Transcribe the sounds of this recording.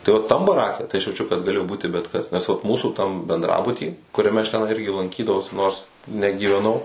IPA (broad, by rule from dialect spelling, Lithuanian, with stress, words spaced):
tɐɪ ˈoː ˈtɐm bɐˈrɑːkʲɛ tɐɪ ɐʃ jɛʊˈt͡ʃʲʊ kɐt ɡɐˈlʲeːjoː ˈbuːtʲɪ bʲɛt kɐs nʲɛs ʋɐt ˈmuːsuː tɐm bʲɛndˈrɑːbʊtʲiː kʊrʲɛˈmʲɛ ɐʃ tʲɛˈnɐɪ ˈɪrʲɡʲɪ lˠɐŋʲˈkʲiːdɐʋɐʊs ˈnoːrs nʲɛɡʲiːʋʲɛˈnɐʊ